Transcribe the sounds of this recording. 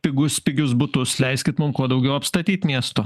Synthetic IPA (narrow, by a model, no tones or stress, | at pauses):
pʲɪɡʊspʲɪɡʲʊsbʊt̪ʊslʲɛɪsʲkʲɪt̪mʊmkuɔd̪ɐʊɡʲɛʊɐpst̪ɐt̪ʲiːt̪ʲmʲiɛst̪o